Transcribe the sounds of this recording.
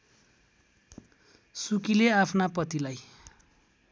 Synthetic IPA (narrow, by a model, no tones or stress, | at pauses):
sukileapʰnapʌt̪ilaj